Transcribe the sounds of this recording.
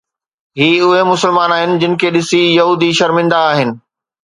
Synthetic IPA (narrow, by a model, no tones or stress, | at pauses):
ɦiːʊɦemʊsɪlmaːnaːɦɪnɪ̆d͡ʑɪnɪ̆kʰeːɗɪsijɐɦuːd̪iʃɐɾmɪ̃nd̪aːɦɪnɪ̆